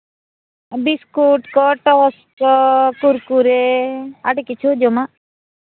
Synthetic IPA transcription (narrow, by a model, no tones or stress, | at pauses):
biskuʈkɔʈɔs | kɔkuɾkuɾeaɖikit͡ʃʰud͡ʒoma